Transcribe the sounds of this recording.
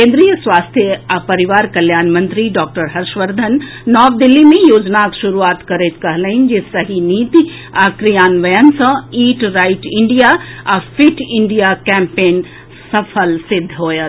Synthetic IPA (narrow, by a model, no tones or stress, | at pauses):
kẽːnd̪ɾijəsʋaːst̪ʰjəapɐɾiʋaːɾkɐljaːnmə̃nt̪ɾiɖɔːk̚ʈəɾɦɐɾʃʋəɾd̪ʱənː | ɔːʋd̪ilːimẽjoːd͡ʒnakʃuɾuaːt̪kɐɾet̪kɐɦləɦind͡ʒesɐɦiniːt̪i | akɾijaːnʋɐjənsɐ̃iːʈɾaːɪʈɪ̃ɳɖijaafʰiʈʰɪɳɖijakɛ̃mpeːn | sɐpʰəlsɪd̪ʱːɦoːjə